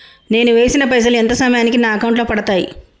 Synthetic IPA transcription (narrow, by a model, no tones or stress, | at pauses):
ne̞ːnuʋe̞ːsinɐpɾɐd͡ʒɐluent̪ɐsɐmɐjaːnikinaːɐkɐwɳʈlo̞ːpɐɽɐt̪aːjḭ